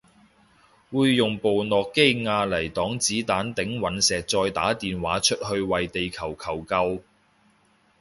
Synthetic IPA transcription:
wuː˨˧jːʊ˨ŋpo˨wnɔː˨kːe˥jŋaː˧lɐ˨˩jt̪ɔː˨˥ŋt͡siː˨˥t̪aː˨˥nt̪ɪ˨˥ŋwɐ˨˥nsɛː˨k̚t͡sɔː˧jt̪a̰ː˨˥t̪iː˨nwaː˨˥t͡ʃʰɵ˥t̚hɵ˧ɥwɐ˨jt̪e˨jkʰɐ˨˩wkʰɐ˨˩wkɐ˧w

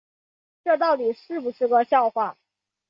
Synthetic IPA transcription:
ʈ͡ʂɤ˥˧t̪ɑ˥˩ʊt̪i˨˩ʂɻ̩˥˩pu˨˩ʂɻ̩˥˩kə˧ɕjɑ˥˧ʊxwa˥˩

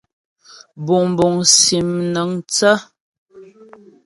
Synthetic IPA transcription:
bu˨bu˨ŋsi˨mnə˨˦ŋt͡sə˦

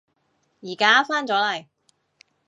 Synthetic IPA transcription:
jiː˨˩kaː˥faː˥nt͡sɔː˨˥lɐ˨˩j

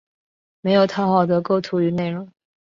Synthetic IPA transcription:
me˧˥ɪjo˨˩ʊt̪ʰa˥xɑ˨˩ʊd̪ə˧˥ko˥˧ʊt̪ʰu˧˥y˧˥ne˥˩ɪɻʊ˧˥˦ŋ

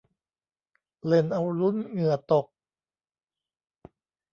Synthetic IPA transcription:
le˧˩nʔa˧wlu˦˥nŋɯ˨˩ɐt̪o˨˩k̚

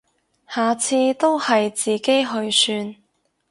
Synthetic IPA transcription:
haː˨t͡sʰiː˧t̪o˥whɐ˨jt͡siː˨˩ke˥jɦɵ˧ɥsyː˧n

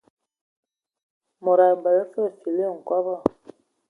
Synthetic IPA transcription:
mɔ˨ɾa˨ba˨la˦fo˦˨si˨le˦˨ŋ̩˨kɔ˦βɔ˦˨

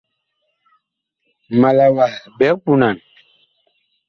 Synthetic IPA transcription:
ma˨la˨wa˨bɛ˨˦k̚pu˦na˨n

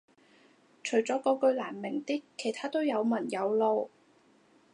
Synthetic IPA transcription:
t͡ʃʰɵ˨˩ɥt͡sɔː˨˥kɔː˧kɵ˧ɥlaː˨˩nmɪ˨˩ŋt̪iː˥kʰːe˨˩jt̪ʰaː˥t̪o˥wjɐ˨˧wmɐ˨˩njɐ˨˧wlo˨˧w

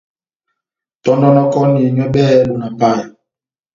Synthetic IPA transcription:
tɔ˦nɔ˦nɔ˦kɔ˦ni˨e˨ɲɔ˦ɓɛ˦ɓo˨na˨pa˦˨j

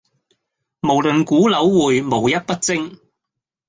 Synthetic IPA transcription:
mo˨˩wlɵ˨˩nkuː˨˥lɐ˨˥wːuː˨jmo˨˩wjɐ˥t̚pɐ˥t̚t͡sɪ˥ŋ

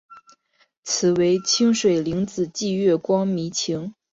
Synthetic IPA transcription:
t͡sʰɹ̩˨˩we˧˥ɪt͡ɕʰi˥ŋʂwe˨˩ɪli˧˥ŋt͡sɹ̩˨˩t͡ɕi˥˧ɥɛ˥˩kwɑ˥ŋmi˧˥t͡ɕʰi˧˥ŋ

